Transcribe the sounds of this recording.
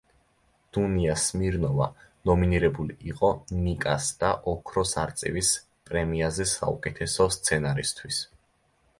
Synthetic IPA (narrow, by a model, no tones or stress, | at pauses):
d̪̥uniasmiɾnɔva̰nɔminiɾɛbuliʔiqʼɔnikʼa̰sd̪̥aʔɔkʰɾɔsaɾt̪sʼḭvis | pʼɾɛmiazɛsa̰ṵkʼɛt̪ʰɛsɔst̪sʰɛnaɾist̪ʰwis